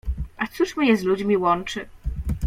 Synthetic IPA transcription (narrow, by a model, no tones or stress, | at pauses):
ʔat̪suʂmɘjɛzlud͡ʑmʲiwɔnt͡ʂɘ